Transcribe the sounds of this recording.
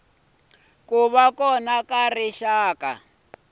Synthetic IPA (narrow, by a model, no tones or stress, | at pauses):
kuβakɔnakariʃaːka̰